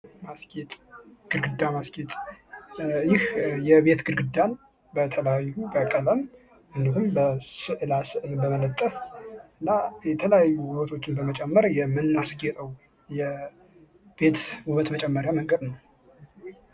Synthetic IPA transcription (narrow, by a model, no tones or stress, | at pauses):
masket̪ʼɡ̥ɨlɡɨd̪ːamaskʼet̪ʼ | jɪhjɛbe̞t̪ɡɨlɡɨd̪an | bət̪ʰələjajːubəkʼələm | ʔɨnd̪ihumbəsɨʔlasɨʔɨlbəmələt̪ʼːəfɨnːajɛt̪ʰələjajːuwʊβət̪ʰo̞t͡ʃːɪnbəmət͡ʃʼɛmːəɾjɛmːɨnːasɡet̪ʼəw | jɛ | b̥e̞t̪wuβət̪mət͡ʃʼɛmːəɾjaməŋɡəd̪nəw